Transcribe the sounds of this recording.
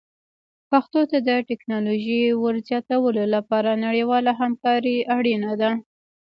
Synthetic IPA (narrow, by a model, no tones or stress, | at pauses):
paxt̪ot̪ad̪əʈɛknɑloʒiwəɾzjɑt̪awəlolapɑɾanaɽiwɑlaɦamkɑɾiaɽinad̪a